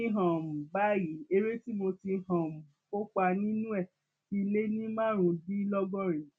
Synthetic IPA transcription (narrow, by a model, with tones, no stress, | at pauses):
i˧˦ɦã˨m̩˨ba˦ji˨˦e˧ɾe˦ti˦mo˧ti˧ɦã˨m̩˨ | ko˦k͡pa˧nĩ˦nũ˦ɛ˦˨ | ki˦˧le˦nĩ˦mãː˦˨ɾ̃ũ˧bi˦lɔ˦ɡɔ̃˦˨ɾĩ˨